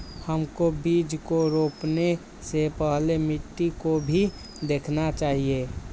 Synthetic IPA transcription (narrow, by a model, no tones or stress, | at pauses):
həmkobiːd͡ʒkoɾoːpne | sepəɦlemɪʈːikobʱi | d̪eːkʰnat͡ʃaːɦie